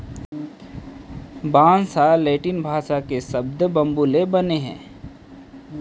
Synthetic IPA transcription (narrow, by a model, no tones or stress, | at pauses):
bãːnsaːeːʈɪnbʱaːʃakesɐbd̪bɐ̃mbuːlebɐneɦɛ̰̃ː